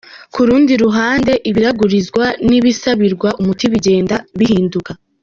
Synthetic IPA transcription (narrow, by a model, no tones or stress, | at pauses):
kuɾuːndiɾuɦaːnde̞ʔiβiɾaɡuɾizɡwaniβisaβiɾɡwaʔumutiβiɟe̞ːndaβihiːnduka